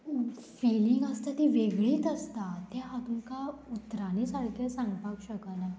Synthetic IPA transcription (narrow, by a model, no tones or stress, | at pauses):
fiːlɪŋɡɐst̪at̪iʋeːɡɭit̪ɐst̪at̪ead̪unkaʊt̪ːɾanisaɽkesãŋɡpakʃəkəlɛ̃